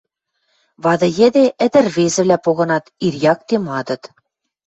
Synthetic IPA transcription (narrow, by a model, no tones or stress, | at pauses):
βɑd̪ɤ̆jɘ̆d̪eʔɘ̆d̪ɘ̆rβezɘ̆βlʲæpoɣɤ̆nɑt̪irjɑk̚t̪emɑd̪ɤ̆t̪